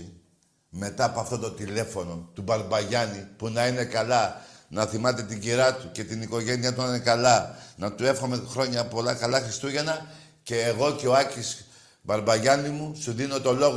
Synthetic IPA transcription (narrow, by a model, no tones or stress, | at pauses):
me̞t̪ɐːpoɐft̪ot̪ot̪ile̞fo̞no̞t̪ubɐɾbɐʝɐnipunɐine̞kɐlɐnɐθimɐt̪̬e̞t̪iɲɟiɾɐt̪uce̞t̪iniko̞ʝe̞niɐt̪uninekɐlɐnɐt̪ue̞fxo̞mexɾo̞ɲɐpo̞lɐkɐlɐxɾist̪uʝenɐ | ce̞ːɣo̞ce̞o̞ɐcis | bɐɾbɐʝɐnimusuðino̞t̪o̞lo̞ɣ